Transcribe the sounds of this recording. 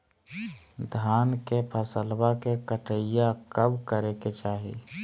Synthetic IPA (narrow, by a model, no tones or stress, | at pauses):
d̪ʱaːnkepʰəsəlbakekəʈʰəjakəbkəɾeket͡ʃaːɦḭ